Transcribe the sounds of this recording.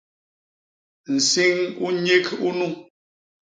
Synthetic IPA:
n̩˨si˦ŋu˦ɲe˦ku˦nu˦˨

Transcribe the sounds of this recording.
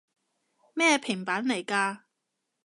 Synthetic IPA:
mɛː˥˧pʰɪ˨˩ŋpaː˨˥nle˨˩jkaː˧

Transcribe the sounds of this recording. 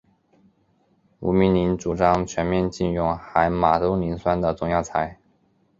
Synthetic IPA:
ṵ˧˥mi˧˥ni˧˥nʈ͡ʂu˨˩ʈ͡ʂɑ˥ŋt͡ɕʰɥɛ˧˥nmjɛ˥˧nt͡ɕi˥˧nɻʊ˥˧˩ŋxa˧˥ɪma˨˩t̪o˥ʊni˧˥nswa˥nd̪ə˨t͡sʊ˥ŋjɑ˥˩ʊt͡sʰa˧˥ɪ

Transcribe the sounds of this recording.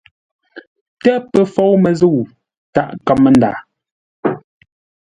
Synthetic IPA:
tɛ˦pə˦fɔ˦wmə˨zə˦˨w | ta̰˦˨ʔka˨mːə˦nda̰ː˨

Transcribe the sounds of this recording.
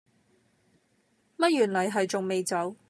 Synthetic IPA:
mɐ˥t̚jyː˨˩nlɐ˨˩jɦɐ˨jt͡sʊ˨ŋme˨jt͡sɐ˨˥w

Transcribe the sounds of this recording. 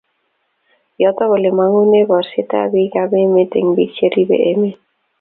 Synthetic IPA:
jɔt̪ɔ˦βɔ˨le˨ma˦ŋu˦ne˦bɔ˨ɾsɪ˦ta̰˦bi˦ɡa˦be˦me˦tḛ˨ŋbi˦t͡ʃe˦ɾi˦bḛ˨ʔe˦me˦

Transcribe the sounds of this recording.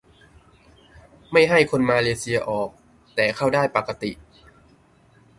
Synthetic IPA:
ma˥˩jɦa˥˩jkʰo˧nmaː˧leː˧si˧ɐʔɔː˨˩k̚ | t̪ɛː˨˩kʰa˥˩wdaː˥˩jpa˨˩ka˧t̪i˨˩ʔ

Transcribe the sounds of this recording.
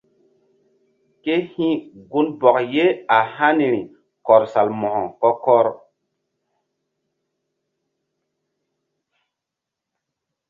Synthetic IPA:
ke˦hĩ˦ɡu˦nbɔ˨kje˦a˨ha˦ni˨ɾi˨ | kɔ˨ɾsa˨lmɔ˨hɔ˨kɔ˦kɔ˦ɾ

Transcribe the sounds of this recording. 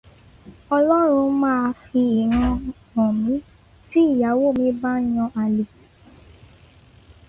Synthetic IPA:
ɔ˧lɔ˦ɾ̃ũ˧mãː˦˧fi˧i˨ɾ̃ã˧ | ɔ̃˨mĩ˨˦ | ti˦i˦˨ja˨˦wo˦˨mĩ˧˦ba˦j̃ɔ̃˧ʔa˧li˨

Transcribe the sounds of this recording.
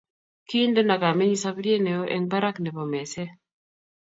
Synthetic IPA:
ki˦ndo˦na˨ka˨me˦ɲi˦sa˦bdi˦e˦nɛ˨o˦ʔɛ˦ŋba˦ɾa˦knɛ˨bɔ˨mɛ˨sɛ˦

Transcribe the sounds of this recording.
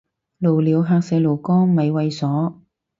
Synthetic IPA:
lo˨˩wliː˨˧wɦaː˧k̚sɛː˨˧˥lo˨˩wkɔː˥ŋmɐ˨jwɐ˧jsɔː˨˥

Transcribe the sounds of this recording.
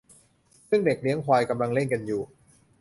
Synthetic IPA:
sɯ˥˩ŋde˨˩k̚li˦˥əŋkʰwaː˧jka˧mla˧ŋle˥˩nka˧njuː˨˩

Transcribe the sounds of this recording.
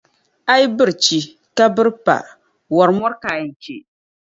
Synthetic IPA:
a˦jbɨ˦ɾt͡ʃi˦ | ka˦bɨ˦ɾpa̰˨ | wɔ˨ɾmɔ˦ɾkaː˨n˨t͡ʃe˨

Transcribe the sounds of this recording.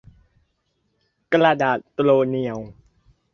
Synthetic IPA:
kla˧daː˨˩t̪loː˧ni˧ə˨w

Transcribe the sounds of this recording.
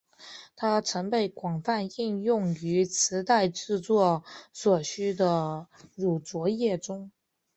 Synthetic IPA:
t̪ʰa˥ʈ͡ʂʰɤ˧˥ŋpe˧˩ɪkwɑ˨˩ŋfa˥˧ni˥˧njʊ˥˩ŋy˧˥t͡sʰɹ̩˧˥t̪a˥˧ɪʈ͡ʂɻ̩˥˧t͡swɔ˥˩swɔ˨˩ɕy˥d̪ə˧ɻu˨˩t͡swɔ˧˥jɛ˥˩ʈ͡ʂʊ˥ŋ

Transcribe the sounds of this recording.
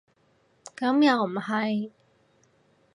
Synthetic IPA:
kɐ˨˥mja˨˧˩w̩˨˩˨ha˧j

